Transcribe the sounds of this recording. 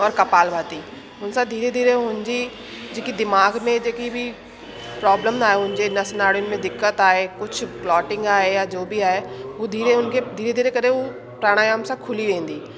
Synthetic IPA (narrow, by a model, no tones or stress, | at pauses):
ɔːɾkɐpaːlbʱaːt̪iː | ʊnsad̪ʱiːɾed̪ʱiːɾeɦʊnd͡ʒiː | d͡ʒɪkid̪ɪmaːɡmẽd͡ʒekibʱi | pɾɔːbləmaːeʊ̃nd͡ʒenɐsnaːɽʊnmẽd̪ɪkːət̪aːekʊt͡ʃʰplɔːʈɪ̃ŋɡaːejad͡ʒoːbʱiaːeʋod̪ʱiːɾeʊnked̪ʱiːɾed̪ʱiːɾekɐɾeo | pɾaːɽ̃ajaːmsakʰʊliʋẽːnd̪iː